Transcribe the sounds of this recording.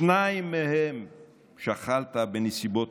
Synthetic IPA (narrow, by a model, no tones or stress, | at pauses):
naimːehem | ʃaχalt̪abenesibot